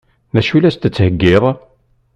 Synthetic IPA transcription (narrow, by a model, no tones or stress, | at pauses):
næʃulæst̪ət͡sːhəɡːɪðˤ